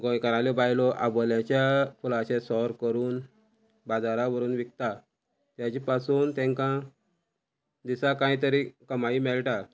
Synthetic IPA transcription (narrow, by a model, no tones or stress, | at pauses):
ɡɔ̃jkəɾalebajlɔʔa̰bɔljãt͡ɕjafulaɕesɔɾkəɾuːn | bad͡zaɾaʋəɾuːnʋik̚t̪a | t̪jat͡ɕipasuːnt̪ɛ̃ŋkã | d̪isakãjt̪əɾikəmaimɛɭʈa